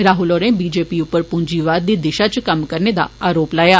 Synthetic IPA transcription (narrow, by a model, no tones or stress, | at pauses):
ɾaːɦʊloːɾẽːbiːd͡ʒeːpiːʊpːəɾpʊɲd͡ʒiːʋaːd̪d̪iːd̪ɪʃaːt͡ʃkəmkəɾneːd̪a̰ːaːɾoːplaːjaː